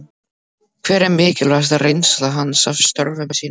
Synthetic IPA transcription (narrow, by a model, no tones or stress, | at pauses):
kʰvɛːɾɛmɪːcɪlvast̪arejnsðaɦanːsav̥st̪œɾvʏmɛsiːn